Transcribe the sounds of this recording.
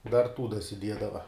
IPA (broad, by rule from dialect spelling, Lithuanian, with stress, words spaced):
dɐr ˈtuː dɐsʲɪˈdʲiɛdɐʋɐ